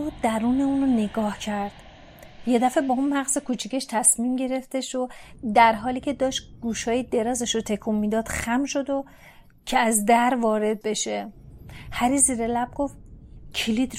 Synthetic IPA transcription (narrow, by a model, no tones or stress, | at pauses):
od̪æɾuːne̞uːnone̞ɡɒːhcʰæɾd̪̥ | je̞d̪æfebɒunmæɣzekʰut͡ʃʰiceʃt̪ʰæsmiːmɟe̞ɾe̞ft̪eʃod̪æɾɦɒːliːcʰe̞d̪ɒːʃɡ̥uːʃɒːjid̪e̞ɾɒːzeʃot̪ʰekʰumːid̪ɒːd̪̥xæmʃo̞d̪o | cʰeæzd̪æɾvɒːɾe̞d̪̚be̞ʃe | hæɾiːziːɾelæb̚ɡo̞fcʰilid̪